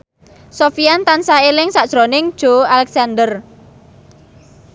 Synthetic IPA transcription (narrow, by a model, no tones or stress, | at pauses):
sofiant̪ansaelɪŋsaʔd̥ʒ̥ɾonɪŋ̥ʒ̥oalɛksand̪ər